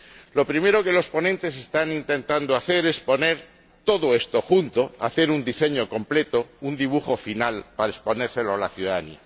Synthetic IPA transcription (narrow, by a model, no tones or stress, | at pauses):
lo̞pɾime̞ɾo̞ke̞lo̞spo̞nẽnt̪e̞s̬e̞st̪anint̪ẽ̞nt̪and̪oaθe̞ɾe̞spo̞ne̞ɾ | t̪o̞ðoe̞st̪o̞xunt̪o̞a̰θe̞ɾund̪ise̞ɲo̞ko̞mple̞t̪ound̪iβ̞uxo̞finalpaɾaespo̞ne̞ɾse̞loalaθjuðaanḭa